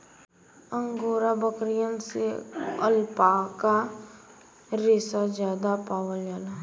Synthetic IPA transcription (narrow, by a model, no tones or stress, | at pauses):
ə̃ŋɡoːɾabəkɾijənseəlpaka | ɾeːsazjaːd̪apaːʋəljaːla